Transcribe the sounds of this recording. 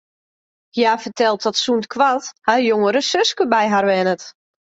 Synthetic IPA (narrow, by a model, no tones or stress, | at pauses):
hjaːfərtɛlˠt̚ɔtsuntkʰʋathajoŋəɾəsøskəbɛjɦarʋɛnət